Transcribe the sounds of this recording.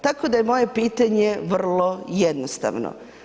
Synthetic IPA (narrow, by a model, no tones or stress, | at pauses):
t̪akod̪ajemo̞je̞piːt̪aɲeʋr̩lˠo̞jed̪nost̪a̰ʋno̰